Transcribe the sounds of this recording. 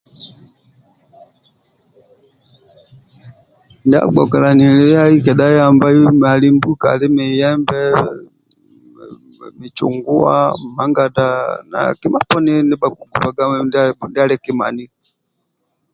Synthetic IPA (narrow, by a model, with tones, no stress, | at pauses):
ndi˦a̰˦ɡ͡bɔ̰˨ka˨la˨ni˨lɛ˦a˦i˦kɛ˨da˦ja˦˨mba˦i˦a˨li˦mbu˦ka̰˨li˦mi˨jɛ˦mbɛ˦ | mi˨t͡ʃṵ˨ŋɡu˦a̰˦ma˨˦ŋɡa˨da˦na̰˨ki˦ma˦pɔ˦ni˦ni˦ba˨ku˨ɡu˨ba˨ɡa˦ndi˦a˦lɛ˦ki˦ma̰˨ni˦